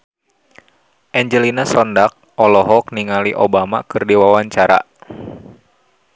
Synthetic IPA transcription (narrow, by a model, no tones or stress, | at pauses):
ʔɛɲd͡ʒəlinasɔndak̚ɔlɔɦɔk̚niŋaliʔobamakɨrdiwawaɲt͡ʃaɾa̰